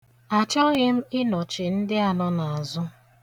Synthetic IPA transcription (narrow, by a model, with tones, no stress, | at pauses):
a˨t͡ʃɔ˦ɣɪ˦m̩˦ɪ˦nɔ˨t͡ʃɪ˨n̩˦dɪ˦a˨nɔ˦na˨a˨zʊ˦